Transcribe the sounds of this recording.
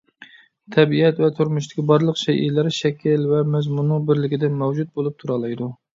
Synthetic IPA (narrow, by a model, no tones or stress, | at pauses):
t̪ʰɛbiɛt̪vɛt̪ʰuɾmuʃt̪ɪ̥kʲibɑɾlˠəqʃɛjʔḭlɪɾʃɛkʲʰɪlvɛmɛzmunːɨŋbɪɾlɪkʲid̪ɛnmɛwd͡ʒut̪̚bolˠup̚t̪ʰuɾɑlˠɑjd̪u